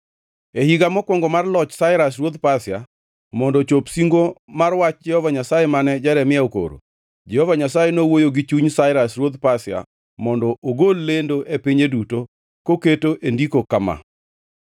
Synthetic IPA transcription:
ehiɡamɔkwɔŋɡɔmarlɔt͡ʃsaɪɾasrwod̪pasja̰ | mɔndɔt͡ʃopsiŋɡomarwat͡ʃd͡ʒɛhɔvaɲasajemanɛd͡ʒaɾɛmɪjaoko̰ɾo̰ | d͡ʒɛhɔvaɲasajenowojoɡit͡ʃuɲsaɪɾasrwod̪pasɪja̰ | mɔndɔʔoɡolːendoʔepiɲeduto | koketoʔendikokama̰

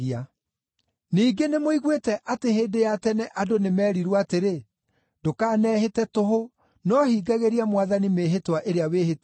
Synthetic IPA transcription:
ia | niːɡenemoiɣwetɛʔateheːndejatɛnɛʔadonemɛːɾiɾwaateɾe | dokaːnɛːɦetɛtoɦo | nɔhiːɡaɣeɾiamwaðanimeːɦetwaʔeɾeaweːɦet

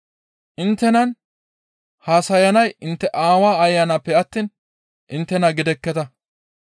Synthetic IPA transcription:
ʔɪnt̪ːɛnɐn | haːsɐjɐnɐjɪnt̪ːɛʔaːwaːɐjːɐnɐpːɛɐt̪ːiːn | ʔɪnt̪ːɛnɐɡɪd̪ɛkːɛt̪ɐ

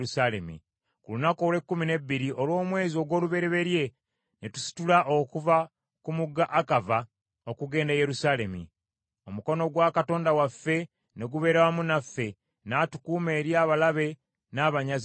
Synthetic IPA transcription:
usalemḭ | kulunako̞ːlwe̞kːumine̞bːiɾiʔo̞lwo̞ːmwe̞ːzio̞ɡwo̞ːluβe̞ɾe̞βe̞ɾje̞ | netu̥si̥tulaʔokuva | kumuɡːaʔakava | o̞kuɡe̞ːndaje̞ɾusaːle̞mḭ | omuko̞no̞ɡwakato̞ːndawafːe̞ | ne̞ɡuβe̞ːɾawamunafːe̞ | naːtukuːme̞ːɾjaːβalaβe̞ | naβaɲaz

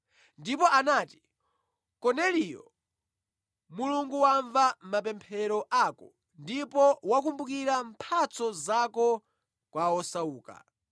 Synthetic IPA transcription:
ndipɔʔanaːti̥ | kɔnɛlijɔ̰ | muluŋɡuwaɱvam̩mapɛmpʰɛɾɔʔakɔ | ndipɔwak̬umbukiɾampʰat͡sɔzakɔ | kwaɔsauːka̰

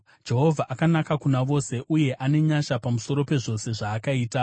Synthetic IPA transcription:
d͡ʒe̞ɦo̞vʱaʔakanakakunaʋo̞se̞ʔuje̞ʔane̞ɲaʃapamuso̞ɾo̞pe̞ʐo̞se̞ʐaːkaiːta

